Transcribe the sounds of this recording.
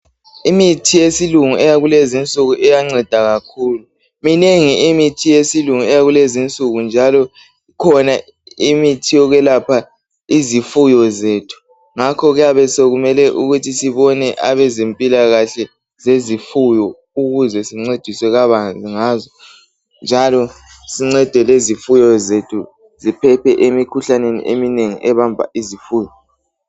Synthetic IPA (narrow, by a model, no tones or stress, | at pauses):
imitʰijesiluŋuɛjaɣulezint͡sʼuɣuʔɛjaŋ͡ǀɛd̥ʱaɣakʰuːlu | mineŋiimitʰijesiluŋuɛjaɣulezint͡sʼuɣund͡ʒʱalɔ | ikʰɔna | imitʰijɔɣwɛlapʰa | izifujɔzeːtʰu̥ | ŋakʰɔɣjaβɛsoɣumɛlɛʔuɣutʰisiβɔnɛʔaβɛzempʼilaɣaɬɛ | zezifujɔ | uɣuzɛsiŋ͡ǀed̥ʱiswɛɣaβand͡ɮʱiŋaːzɔ | nd͡ʒʱalɔ | siŋ͡ǀɛd̥ʱɛlezifujɔzetʰu | zipʰɛpʰɛʔemikʰuɬanenḭʔemineŋḭʔɛβambʱa̰ʔizifuːjɔ